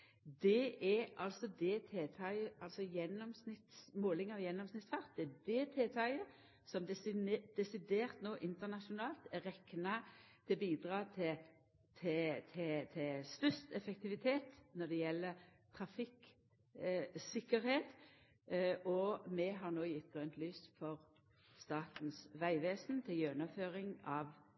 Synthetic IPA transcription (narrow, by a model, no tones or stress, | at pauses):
d̪ɛʔæɾɑlsɔd̪ɛt̪ʰeːt̪ʰɑɪəɑlsɔjɛnːɔmsnɪt̪smoːlɪŋɑʋjɛnːɔmsnɪt̪sfɑʁt̪̚d̪ɛæd̪eːt̪ʰeːt̪ʰɑɪə | sɔmd̪ɛd̪̥ɛsɪd̪eːʁt̪noːʔɪnt̪əʁnɑʃʊnɑːlt̪ɛʁɛkːnɑt̪ʰɪlbiːd̪ɾɑːt̪ʰɪ | t̪ʰɪt̪ʰɪt̪ʰɪst̪œst̪ɛfɛkt̪ɪʋɪt̪ʰeːt̪nɔd̪ɛjɛlːəɾt̪ʰʁɑfɪk | sɪkːəɾheːt̪ | ʔɔmɛɦɑʁnoːjɪt̪̚ːœnt̪lyːsfɔʁ | st̪ɑːt̪n̩sʋæɪʋeːsnt̪ʰɪljøːnɑføːʁɪŋɑʋ